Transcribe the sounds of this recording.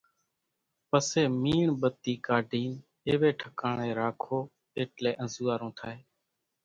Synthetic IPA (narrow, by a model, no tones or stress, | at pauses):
pəseːmiːɳɓət̪ːiːkaːɖʱiːn | eːʋeːʈʰəkaːɳeːɾaːkʰoː | eːʈleːʔə̃nzuːaːɾõːt̪ʰaːɦeː